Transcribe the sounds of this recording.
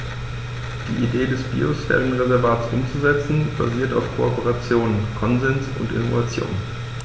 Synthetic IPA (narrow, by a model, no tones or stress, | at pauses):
d̥ḭːʔideːdɛsb̥ḭːosfɛ̰lənʁezɛɐvaːtsʔʊmt͡suzɛt͡sn̩b̥a̰ziːɐta̰ʊfkʰoɔpəʁat͡sjoːnənkʰɔnzɛnsʊ̰ntʔɪ̰novat͡sjo̰ːn